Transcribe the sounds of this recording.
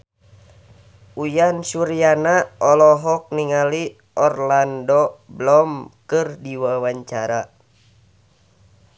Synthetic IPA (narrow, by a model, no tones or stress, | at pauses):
ujansuɾijanaɔlɔɦɔk̚niŋali | ʔɔrlandɔblɔmkɨrdiwawaɲt͡ʃaɾa